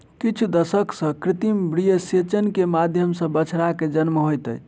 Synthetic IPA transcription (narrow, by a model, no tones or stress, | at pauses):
kit͡ʃʰud̪əsəksə̃kɾit̪imbɾijəset͡ʃənkemad̪ʱjəmsə̃bət͡ʃʰɾaked͡ʒənməɦojt̪ə̰j